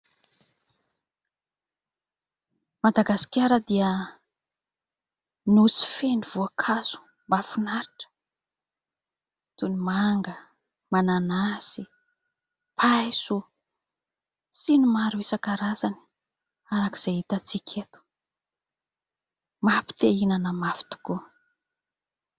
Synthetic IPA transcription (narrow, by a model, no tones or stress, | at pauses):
mad̪aɡasi̥kʲaɾəd̪iə | nusi̥feniv̥uakʰaz̥u̥ | mbafunaɾiʈ͡ʂə̥ | t̪unimaŋɡə | mananasi | pʰajsu | sinimaɾuesakaɾazani̥ | aɾaki̥z̥eit̪at͡sikʲʰet̪u̥ | mapi̥t̪einanəmafi̥t̪u̥ku